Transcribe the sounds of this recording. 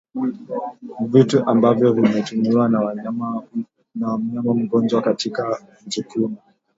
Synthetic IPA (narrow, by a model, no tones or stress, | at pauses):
vituʔambavjɔvimɛtumiwa | nawam̩ɲamam̩ɡɔnd͡ʒwakatika | nzukumu